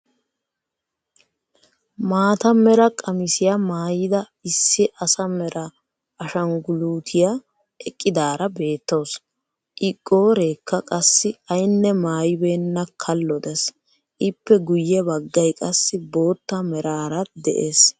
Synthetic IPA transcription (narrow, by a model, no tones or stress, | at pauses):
maːt̪ɐmɛɾɐkʼɐmɪsɪjɐmaːjɪd̪ɐ | ɪsːɪʔɐsɐmɛɾɐː | ʃɐŋɡʊluːt̪ʰɪja | ɛkʼːɪd̪aːɾɐbe̞ːt̪ːo̞ːs | ʔɪkʼːo̞ːɾeːkːɐkʼɐsːɪɐjnːɛmaːjɪbeːnːɐkʰɐlːɔd̪ɛs | ʔɪpːɛɡʊjːɛbɐɡːɐjkʼɐsːɪbo̞ːt̪ːɐmɛɾaːɾɐd̪ɛ̰ʔeːs